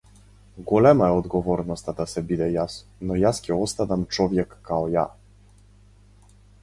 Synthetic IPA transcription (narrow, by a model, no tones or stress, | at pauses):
ɡɔlɛmaɔd̪ɡɔvɔɾnɔst̪ad̪asɛbʲid̪ɛjasnɔjaskʲɛɔst̪ad̪amt͡ʂwɔvʲjɛkːaɔja̰